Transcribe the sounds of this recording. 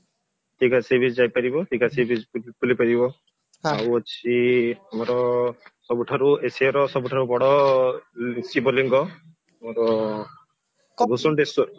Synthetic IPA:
ʈikasibʱid͡ʒd͡ʒajpaɾibɔʈikasibʱid͡ʒpulipaɾibɔ | awɔt͡ʃʰiamɔɾɔsɔbuʈʰaɾueseɾɔsɔbuʈʰaɾubɔɽɔlsibɔliŋɡɔ | amɔɾɔ | kɡʱusɔnɖesɔɾu

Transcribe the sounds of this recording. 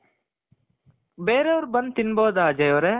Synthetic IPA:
beːɾeoɾbənt̪ɪnboːd̪aːd͡ʒɐjoːɾɛː

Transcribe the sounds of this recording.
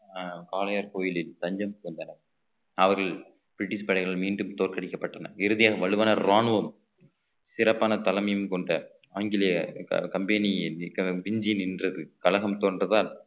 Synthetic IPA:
kaːlɐjaːɾkoːjɪlɪlt̪ɐɲd͡ʒɐmkɐnd̪ɐnɐm | ɐʋɐɾɣɐɭ | b̥ɪɾɪʈːɪspɛɽɐɪɣɐɭɭmiːnɖɯmt̪oːɾkɐɽɪkːɐpːɐʈːɐnɐɪɾɯðɪjaːɣɐʋɐɻɯʋaːnɐɾaːnʋɐm | sɪɾɐpːaːnɐt̪ɐlɐmɐjɯmkɔɳɖɐ | aːŋɡɪlɪjɐkɐmbɛniɐpɪɲd͡ʒɪjnɪndrɐðɯkɐlɐɣɐmt̪oːndrɐðaːl

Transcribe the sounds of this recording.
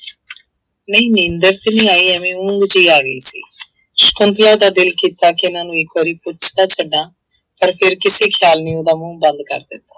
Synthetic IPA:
nəĩːnɪ̃nd̪əɾt̪enĩːaːiːɛmẽːʊ̃ŋɡd͡ʒiːaːɡəḭːsḭː | ʃkʊnt̪laːd̪aːd̪ɪlkiːt̪aːkɪnaːnũːɪkːoːɾiːpʊt͡ʃt̪aːt͡ʃʰəɖaː | pəɾpʰɪɾkɪseːkʰjaːlniːõːd̪aːmũːbənd̪kə̰ɾd̪ɪt̪oː

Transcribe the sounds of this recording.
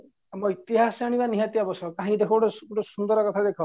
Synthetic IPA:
moit̪iɦasaɽ̃ibaniɦat̪iabɔsʰɔkãɦĩd̪ekʰɔʈɔuʈɔsund̪ɔɾɔkɔt̪ʰad̪ekʰɔ

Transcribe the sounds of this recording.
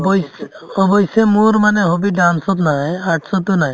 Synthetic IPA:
bɔjs | ɔbɔjsemuɹmanɛɦobidansɔt̪najaʈsɔt̪ʊnaj

